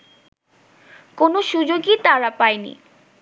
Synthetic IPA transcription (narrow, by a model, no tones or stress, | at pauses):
konoʃud͡ʑoɡit̪aɾapajnḭ